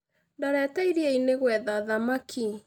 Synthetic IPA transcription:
ndaɾɛːtaiɾieineɣwɛðaðamakʰi

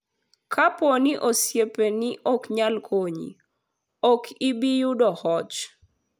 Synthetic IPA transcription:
kʰaponiʔosjepenɪʔɔkɲalkʰoɲḭ | ɔkʰibijudɔhɔt͡ʃ

